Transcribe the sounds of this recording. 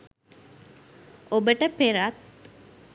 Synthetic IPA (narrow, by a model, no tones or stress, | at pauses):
obəʈəpeɾat̪̚